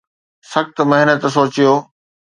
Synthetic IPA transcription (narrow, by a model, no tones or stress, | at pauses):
sɐxt̪mɐɦnət̪soːt͡ɕijoː